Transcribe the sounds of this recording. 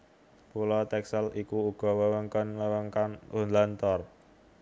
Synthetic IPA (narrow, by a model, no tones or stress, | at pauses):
pulɔt̪ɛksəlikuuɡ̥ɔ̤wəwəŋkɔnwəwəŋkanʔunlant̪ɔr